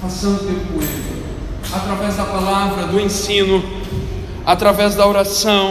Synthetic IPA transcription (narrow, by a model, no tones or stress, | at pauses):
fasɐ̃w̪̃t̪ẽmpuẽt̪ʊ | at̪ɾavɛzd̪ɐpalavɾɐd̪ʊẽsĩnʊ | at̪ɾavɛzd̪ɐoɾasɐ̃